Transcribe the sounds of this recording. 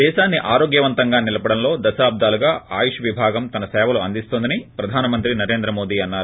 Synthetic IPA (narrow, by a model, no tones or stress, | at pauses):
d̪ɛːʃaːnːiʔaːɾo̞ːɡjɐʋɐnt̪ɐŋɡaːnilɐpɐɽɐnlo̞ːd̪ɐsaːb̚d̪aːluɡaːʔaːjuʂɐʋibʱaːɡɐmt̪ɐnɐsɛːʋɐluɐ̰nd̪ist̪ond̪ɐnipɾɐd̪ʱaːnɐmɐnt̪ɾinɐɾe̞ːnd̪ɾɐmo̞ːd̪iːɐnːaːɾu